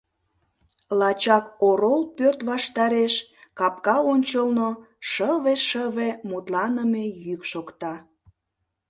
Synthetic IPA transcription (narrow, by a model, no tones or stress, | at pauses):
lɑt͡ɕɑkoɾolpørt̪βɑʃt̪ɑɾeʃkɑp̚kɑonʲt͡ɕəlno | ʃəβeʃəβemut̪lɑnəmejykʃokt̪ɑ